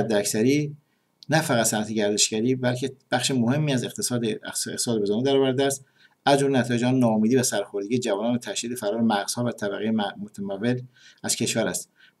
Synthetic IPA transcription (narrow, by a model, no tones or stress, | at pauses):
æd̪ːeæksæɾiː | næfæɣæt̪sænæt̪ʰeɟæɾd̪e̞ʃɟæɾiːbælcʰe̞b̥æχʃemohe̞mːiːæzed̪ḛ̥t̪sɒːd̪eezɑːnid̪æɾɒːvæɾd̪eæst̪ | æzd͡ʒomlenæt̪ʰɒːjed͡ʒɒːnnɒːomiːd̪ivæsæɾxoɾd̪eɡijed͡ʒævɒːnɒːnæt̪ʰæʃd̪iːd̪e̞fæɾɒːɾemæɣz̥hɒːvæt̪ʰæβæɣejemot̪ʰæmævːe̞l | æz̥cʰe̞ʃvæɾæst̪